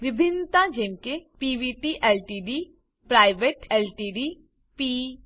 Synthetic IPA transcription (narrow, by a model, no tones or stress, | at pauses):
ʋɪbʱɪnːt̪ãd͡ʒeːmkepiːʋiːʈiʔɛːlʈiɖiː | pɾaːɪʋeʈɛːlʈiɖi | piː